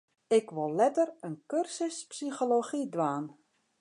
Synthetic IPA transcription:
ɪkʋolˠlɛtərənkørsəspsixoloxidʋaːn

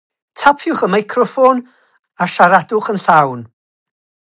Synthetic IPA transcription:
tʰapʰjʊχəmajkʰrɔfɔn | aʃaɾadʊχənɬawn

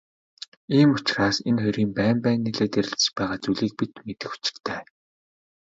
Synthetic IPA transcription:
iːmʊt͡ɕraːsenχʊɾiːmpæːmpæːnːiɮeːt̪eɾɪ̆ɬt͡sɘ̥̆t͡ɕpæːʁaːt͡suɮiːk̚pit̪met̪ɘ̆xu̥t͡ɕɪ̥̆kt̪ʰæː

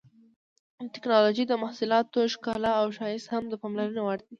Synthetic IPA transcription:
ʈɪknɑloʒid̪əmahsʊlɑt̪oʃkɑlaːwʃɑjɪshamd̪əpɑmlaɾənawaɾd̪i

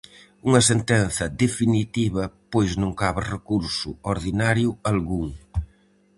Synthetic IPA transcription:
uŋɐsent̪ɛnθɐd̪efinit̪iβɐpojznõŋkaβɪrekuɾsʊ̰oɾðinaɾjʊalɣuŋ

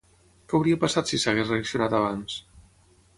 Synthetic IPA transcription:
kɛawɾiapasat̪sisaɣezreəksiunat̪aβ̞ans

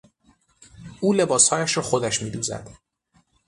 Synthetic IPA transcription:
ʔuːle̞bɒːshɒːjæʃɾɒːxo̞d̪æʃmiːd̪uːzæ̰d̪̥

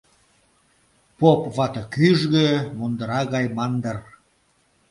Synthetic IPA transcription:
popβɑt̪ɤkyʒɣø̆mond̪əɾɑɣɑjmɑnd̪ər

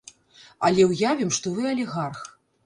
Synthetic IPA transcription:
ɐ̰lʲɛwjavʲimʂt̪ɔvɨɐlʲiɣarx

